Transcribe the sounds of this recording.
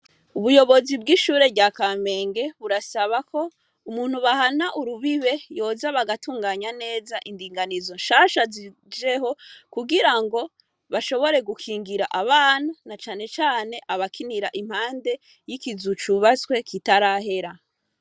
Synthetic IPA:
uβujo̞βo̞zibɡiʃuːɾe̞βɟaːkame̞ːŋɡe̞βuɾasaβakʰo̞ | umuːn̥huβahanaʔuɾuβiβe̞jo̞zaβaɡatuːŋɡaːɲane̞ːzaʔindiːŋɡanizo̞nʃaʃazi | d͡ʒe̞ɦo̞kuɡiɾaŋɡo̞ | βaʃo̞βo̞ɾe̞ɡukʰiːŋɡiɾaʔaβaːn̥unat͡ʃaːne̞t͡ʃaːne̞ʔaβakʰiniɾaʔim̥haːnde̞ | jikizut͡ʃuβaswe̞kitaɾaːɦe̞ɾa

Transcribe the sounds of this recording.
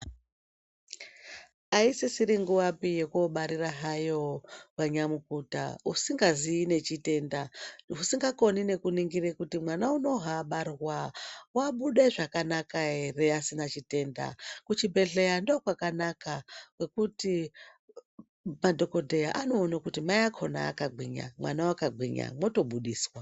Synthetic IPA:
aisisiɾiŋɡuwapije̞kuoɓaɾiraɦajo̞waɲamukuta̰usiŋɡaziːne̞t͡ʃite̞ndaɦusiŋɡako̞nine̞kuniŋɡirekutimwanauno̞ɦaɓarwawaɓuɗeʐakanakaere̞asinat͡ʃite̞ːnda̰kut͡ʃibʱe̞ɬe̞jandokwakanakakwe̞kuti | madʱo̞ko̞dʱe̞jaʔano̞ːnakutimajakʰo̞na̰ːkaɡʱwiɲa̰mwa̰nawakaɡʱiɲa̰mwo̞to̞ɓuɗiːswa

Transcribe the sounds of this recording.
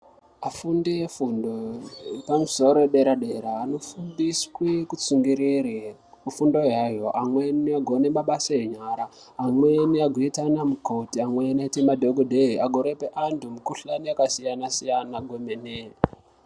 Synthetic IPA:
afundijefundoepamuso̞ɾoeɗeɾaɗe̞ɾaːno̞fundiskwekut͡suŋɡiɾiri | kufundo̞jajo̞ʔamweniaɡʱone̞maɓasajeɲaɾaː | mweniaɡʱoitanamuko̞tiamweniaitimadʱoɡodʱeɦiaɡʱoɾepeʔantumukuɬaniakasijanasijanaɡʱwomene

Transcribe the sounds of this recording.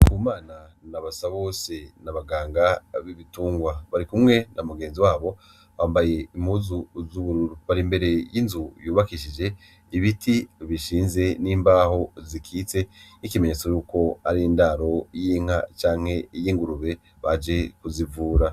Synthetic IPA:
kʰumaːna | naβasaβo̞ːse̞naβaɡaːŋɡaβiβituːŋɡwaβaɾikumŋe̞nʔamuɡe̞ːnziwaːβo̞ | βaːmbaje̞imuzuzuβuɾuɾuβaɾimbe̞ɾe̞jinzujuːβakiʃ̬id͡ʒe̞ | iβitʰiβiʃiːnze̞niːmbaho̞zikʰiːt͡se̞nikime̞ɲet͡sojuːko̞aɾijindaɾo̞jiːŋ̥at͡ʃaːŋ̥he̞jiːŋɡuɾuβe̞ | βad͡ʒe̞kuzivuːɾa

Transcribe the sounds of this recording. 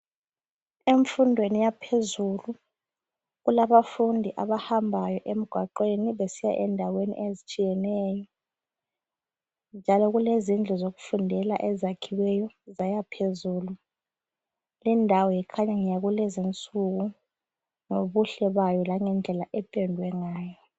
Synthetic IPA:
eɱfundʱwenijapʰezulu | ɣulaβafundʱiʔaβahambʱajɔʔem̩ɡ̥ʱwaǃeniβesija̰ʔɛndʱawenḭʔezit͡ʃʼijɛnɛːjɔ | nd͡ʒʱalɔɣulezind͡ɮʱɔzoɣufundʱɛla̰ʔɛzakʰiwɛjɔ | zajapʰezuːlu | lindʱawɔjɛkʰaɲaŋijaɣulɛzint͡sʼuɣu | ŋoβuɬɛβajɔlaŋɛnd͡ɮʱɛlaʔɛpʼɛndʱwɛŋaːjɔ

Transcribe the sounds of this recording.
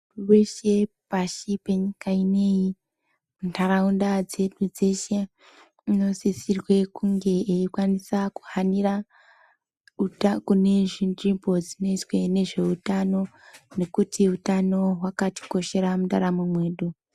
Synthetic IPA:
uweʃe̞ | paʃipeɲikaine̞ji | muntʰaɾaundad͡ze̞ɗud͡zeʃe | ino̞sisirwe̞kuŋɡe̞eikwanisaku̥hanira | uakune̞ʐinribo̞d͡zino̞it͡swe̞ne̞ʐe̞utano̞ | ne̞kutʰiutano̞ɦwakati̥ko̞ʃe̞ɾamuɗa̰ɾamumwe̞ːɗu

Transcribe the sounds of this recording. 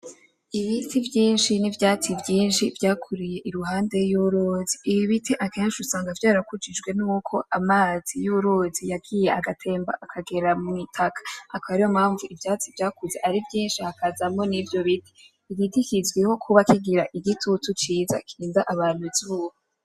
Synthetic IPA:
iβitivjiːnʃinivjaːt͡sivjiːnʃivjaːkʰuɾije̞ʔiɾuɦaːnde̞juɾoːziːβiβitʰiʔake̞ːnʃusaːŋɡavjaːɾakud͡ʒid͡ʒɡwe̞nuːkʰo̞ʔamaːz̥ijuɾozijaɡiːje̞aɡatʰe̞ːmba̰ʔakʰaɡe̞ɾamŋitʰakʰḁakaɾijomhaːɱvuivjaːt͡sivjaːkuzeʔaɾivjiːnʃihakazamo̞nivjo̞βitʰi̥ | iɾitikizɡwiho̞kʰuβakiɡiɾaʔiɡitʰutut͡ʃiːza̰kʰiːndaʔaβaːn̥uzuːho

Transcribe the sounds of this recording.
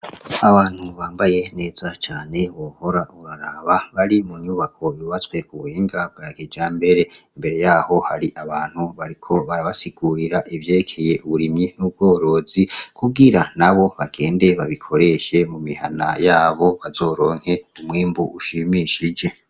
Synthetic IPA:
aβaːn̥huβaːmbaje̞ne̞ːz̥at͡ʃaːne̞βoːho̞ɾauɾaɾaβaβaɾimuɲuːβakʰo̞iiβat͡swe̞kuβuhiːŋɡaβɡ̥aɾakid͡ʒaːmbe̞ɾe̞imbe̞ɾe̞jaːho̞haɾiʔaβaːn̥huβaɾikʰo̞βaɾaβasiɡ̥uɾiɾaʔivjeːɾekʰe̞jeuβuɾimɲinuːb̚ɡo̞ːɾo̞ːzikʰuɡiɾanaβo̞βaɡe̞ːnde̞βaβikʰo̞ɾe̞ʃe̞mumiha̰na̰jaːβo̞βazo̞ːɾo̞ːŋ̥he̞umŋiːmbuʔuʃimiʃid͡ʒe̞

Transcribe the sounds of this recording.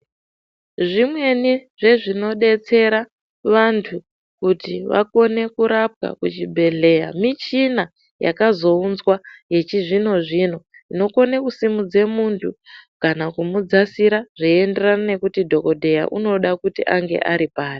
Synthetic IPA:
ʐimwe̞niʐe̞ʐino̞ɗe̞t͡se̞ɾa | ʋantʰu | kutiʋa̰ko̞ne̞kuɾap̚ka̰kut͡ʃibʱe̞ɮe̞ja̰mit͡ʃina | ja̰kazo̞unzwaje̞t͡ʃiʐino̞ʐino̞ino̞ko̞ne̞kusimud͡ze̞muntʰukanakumud͡zasiɾaʐ̥iende̞ranane̞kutidʱo̞ko̞dʱe̞ja̰ʔuno̞ɗakutiʔaŋɡe̞̰ʔaɾipaːri

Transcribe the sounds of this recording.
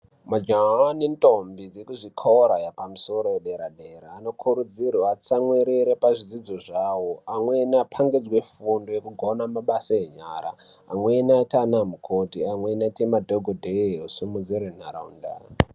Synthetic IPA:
mad͡ʒaanentʼombid͡zekuʐikʰoɾajapamuso̞ɾo̞jeɗeɾaɗeɾaːno̞kʰuɾud͡zirwaːt͡samweɾiɾepaʐid͡zid͡zoʐawoamwenapʰaŋɡid͡zwefundojekuɡʱonamaɓasaeɲaːɾa̰ː | mwenatanamukʰotiamwenatimadʱoɡʱodʱeusumud͡ziɾen̤aɾa̰ṵnda̰

